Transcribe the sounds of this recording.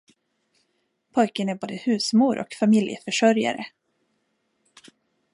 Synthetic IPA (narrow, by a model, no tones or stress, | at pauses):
pʰɔjkənæɾboːd̪əhʉ̟ːsmuːɾɔ̰kfamɪljə̰fœʂœɾja̰ɾə̰